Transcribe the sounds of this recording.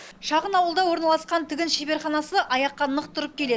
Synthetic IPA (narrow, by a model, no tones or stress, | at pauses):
ʃɑʁənɑwəlˠd̪ɑwo̞ɾnɑlˠɑsqɑnt̪ʰɪɡʲɪnʃebe̞ɾχɑnɑsəʔɑjɑqːɑnəqt̪ʰʊɾəp̚kʲʰe̞le̞